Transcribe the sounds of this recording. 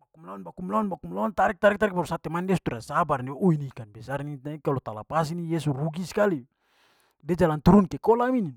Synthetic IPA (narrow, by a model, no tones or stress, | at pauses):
bakumlaɔnbakumlaɔnbakumlaɔnt̪aɾik̚t̪aɾɛk̚t̪aɾɛk̚paɾusat̪ɛmandɛsu̥t̪uɾasabarniʔuinikanbɛsaɾniakalɔt̪ala̰pas̬inijɛsuruɡisi̥kali | dɛd͡ʒalant̪uɾunkɛkɔlamini